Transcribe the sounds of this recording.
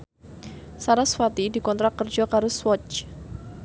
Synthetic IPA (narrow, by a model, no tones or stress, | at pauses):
saɾasfat̪idikɔnt̪ɾakərd͡ʒakaɾʊswɔt͡ʃ